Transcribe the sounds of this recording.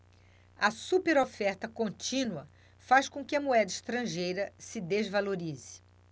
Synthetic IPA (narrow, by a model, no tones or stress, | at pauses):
ɐsupeɾofɛɾt̪ɐkõnt͡ʃĩnuɐ | faskõkɪɐmuɛd̪ɐiʃt̪ɾɐ̃ʒejɾɐsɪd̪ezvaloɾizɪ̥